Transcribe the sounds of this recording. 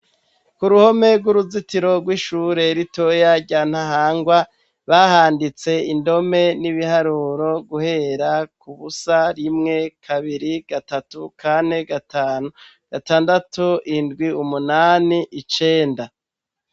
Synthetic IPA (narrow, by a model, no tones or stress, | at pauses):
kuɾuho̞me̞ɡwuɾuzitiɾo̞ɡwiːʃuɾe̞ɾito̞jaɾɟaːn̥haɦaːŋɡwa | βaːhaːndit͡se̞indo̞me̞niβihaɾuːɾo̞ɡuhe̞ɾakuβusaɾimŋe̞kʰaβiɾiɡ̥atatukʰane̞ɡataːnu | ɡ̥ataːndatuindɡwiumunaːniʔit͡ʃe̞ːnda